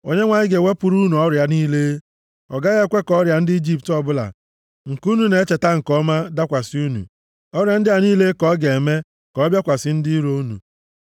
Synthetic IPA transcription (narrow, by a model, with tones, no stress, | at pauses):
o˨ɲe˦ŋʷaː˨ɲɪ˦ɡe˨we˦pʊ˨ɾu˦nu˨ɔ˦ɾja˨niː˦leː˦ | ɔ̰˨ɡa˦ɣe˦˨kʷe˦kɔ˦ɾja˨n̩˦di˦d͡ʒi˦ptɔ˦bʊ˦la̰˨ | ŋ̩˨ku˦nu˦ne˨˦t͡ʃe˨ta˦ŋ̩˨kɔ˦ma˦da˦kʷa˨si˦u˦nṵ˨ | ɔ˦ɾja˨n̩˦dɪ˦a˨niː˦le˦kɔ˦ɡe˨e˨me˦ | kɔ˨˦bja˦kʷa˨sɪ˦n̩˦dɪ˦ɾo˦u˦nṵ˨